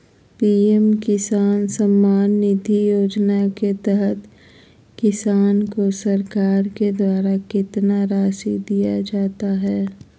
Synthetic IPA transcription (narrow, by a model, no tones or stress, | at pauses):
piːɛmkɪsaːnsɐmːaːnːɪd̪ʱijoːd͡ʒnaket̪ɛɦət̪ | kɪsaːnkosɐɾkaːɾked̪waːɾakɪt̪naɾaːʃid̪ijad͡ʒaːt̪aɦɛː